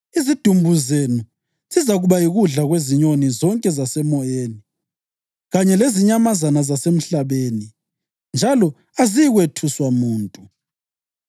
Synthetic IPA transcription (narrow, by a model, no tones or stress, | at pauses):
izid̥ʱumbʱuzenu | zizaɣuβajiɣuɮaɣweziɲonizɔŋkʼɛzasɛmɔjeːni | ɣaɲɛleziɲamazanazasem̩ɬaβeːni | nd͡ʒʱalɔ | aziɣwetʰuswamuːntʼu